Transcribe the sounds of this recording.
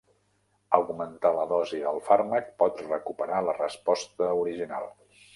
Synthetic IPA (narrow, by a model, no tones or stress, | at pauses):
əwɣumənt̪aləðɔziəlˠfaɾmək̚pɔt̪rəkupəɾalərəspɔst̪əuɾiʒina̰lˠ